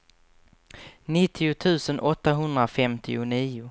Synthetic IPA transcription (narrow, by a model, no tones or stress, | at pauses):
nɪt̪ʰːɪʊt̪ʰʉ̟ːsənʔɔt̪ːaɦɵnd̪ɾafɛmt̪ʰɪ̰ʊniːʊ